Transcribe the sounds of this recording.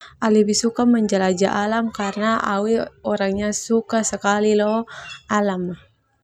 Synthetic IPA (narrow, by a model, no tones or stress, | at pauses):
ʔalibisukaməɲd͡ʒalad͡ʒaʔalamkarnaa̰wiɔɾaŋɲasukasəkalilɔalamah